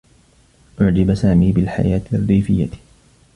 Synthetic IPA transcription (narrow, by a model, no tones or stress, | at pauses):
ʔʊʕd͡ʒɪbsaːmiːbɪlħa̰jaːt̪rːiːfɪjːa̰